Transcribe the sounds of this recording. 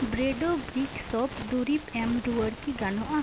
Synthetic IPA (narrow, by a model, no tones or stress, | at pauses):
bɾeɖobɾiksɔpd̪uɾipɛmɾuəɾkiɡanoʔa